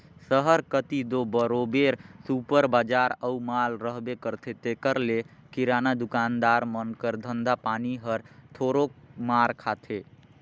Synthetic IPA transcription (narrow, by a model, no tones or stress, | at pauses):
səɦəɾkət̪id̪obəɾobeɾsupəɾbad͡ʒaɾəumalɾəɦbekəɾt̪ʰet̪ekəɾle | kiɾanad̪ukand̪aɾmənkəɾd̪ʱənd̪ʱapaniɦəɾt̪ʰoɾomaɾkʰat̪ʰe